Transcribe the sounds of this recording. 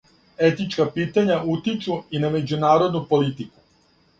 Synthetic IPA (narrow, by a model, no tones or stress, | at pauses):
e̞t̪it͡ʃkapiːt̪aɲaut̪it͡ʃuiname̞d͡ʑunaːɾo̞d̪nupo̞lit̪iku̥